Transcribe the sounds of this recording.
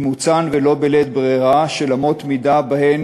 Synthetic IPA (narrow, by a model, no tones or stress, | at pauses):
mut͡sanvelo̞belet̪̚bʁeʁaʃelamo̞t̪mid̪abahen